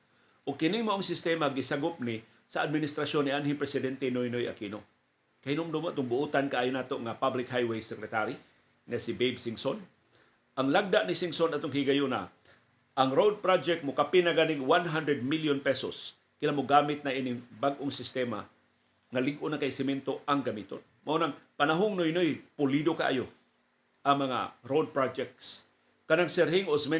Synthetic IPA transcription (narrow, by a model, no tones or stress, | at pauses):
ʔʊɡ̚kɪnɪŋmɐʔoŋsɪst̪ɛmaɡɪsaɡʊp̚nɪ | sɐad̪mɪnɪst̪ɾasjonːɪʔanɦɪŋpɾɛsɪd̪ɛnt̪ɛnojnojʔa̰kino | kɐhɪnomd̪ʊmʔt̪ʊŋbʊʔuːt̪ankaʔaːjʊnaːt̪oʔŋapablɪkhajwejsɛkɾɛt̪aɾi | ŋɐsɪbejbsɪŋson | ʔaŋlaɡ̚d̪aʔnɪsɪŋsonat̪oŋhɪɡajʊna̰ | ʔɐŋɾowd̪̚pɾad͡ʒɛk̚t̪̚mʊkapɪnaɡanɪŋwanɦand̪ɾɛd̪̚miljonpɛso̰s | kɪlamʊɡaːmɪt̪̚naʔinɪbaɡʔoŋsɪst̪ɛma̰ | ŋɐlɪɡʔʊnakajsɪmɛnt̪oʔɐŋɡɐmit̪o̰n | mɐʔonaŋpɐnaɦoŋnojnojpʊlid̪oka̰ʔa̰jo | ʔɐŋmɐŋa̰ɾowd̪̚pɹad͡ʒɛk̚t̪s | kɐnaŋsɛɾhɪŋʔosmɛ